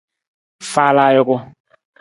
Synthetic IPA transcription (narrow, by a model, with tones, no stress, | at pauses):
fa˦la˦jo˦kʊ˦